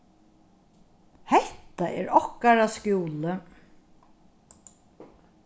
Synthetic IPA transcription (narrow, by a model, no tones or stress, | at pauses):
hɛht̪aʔɛ̰ːɾɔhkaɾaskjuːlə